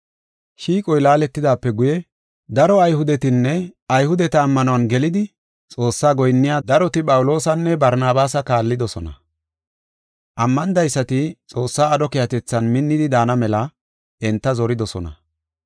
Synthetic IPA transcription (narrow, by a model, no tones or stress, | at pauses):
ʃiːkʼɔjlaːlɛt̪ːɪd̪aːpːɛɡʊjɛ | d̪ɐɾɔɐjhʊd̪ɛt̪ɪnːɛɐjhʊd̪ɛt̪ɐːmːɐnɔwɐnɡɛlɪd̪ɪ | t͡sʼo̞ːsːaːɡɔjnːɪjaːd̪ɐɾɔt̪ɪpʼɐwʊlo̞ːsɐnːɛbɐɾnaːbaːsɐkaːlːɪd̪ɔsɔnɐ̰ | ʔɐmːɐnd̪ɐjsːɐt̪ɪt͡sʼo̞ːsːaːd̪ɔkɪjɐt̪ɛt͡sːɐnmɪnːɪd̪ɪd̪aːnɐmɛlɐ | ɛnt̪ːɐzɔɾɪd̪ɔsɔnɐ̰